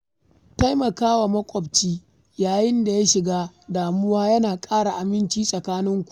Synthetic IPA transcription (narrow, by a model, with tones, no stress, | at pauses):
ta˦jmɐ˨kaː˦wa˨mɐ˦kʷʼɔ˨bt͡ʃiː˦ | jaː˨jɪ˦nda˨ja˦ʃɪ˨ɡaː˦daː˨mʊ˦waː˦jɐ˦naː˨kʼaː˦ɽa˨ʔa˨mɪ˦nt͡ʃiː˦sʼɐ˨kaː˦nɪ˦ŋkʷu̥˨